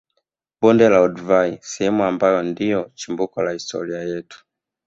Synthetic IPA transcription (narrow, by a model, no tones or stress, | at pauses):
bɔndɛlaɔduvaisɛhɛmuambajɔndijɔt͡ʃimbukɔlahistʰɔ̰ɾiajɛtu̥